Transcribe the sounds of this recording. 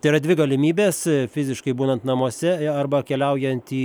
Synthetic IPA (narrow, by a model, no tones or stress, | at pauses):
t̪ɐɪɾɐd̪ʲʋʲɪɡɐlʲɪmʲiːbʲeːsfʲɪzʲɪʃkɐɪbuːnɐnt̪nɐmuɔsʲɛɐrbɐkʲɛlʲɛʊjɛnt̪ʲiː